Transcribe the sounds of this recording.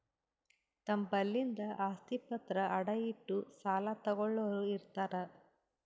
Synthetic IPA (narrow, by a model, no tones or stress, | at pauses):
t̪ɐmbɐlːind̪ɐʔaːst̪ipɐt̪ɾɐʔɐɽɐjiʈːusaːlat̪ɐɡɔɭːɐʋɾuiɾt̪aːɾɐ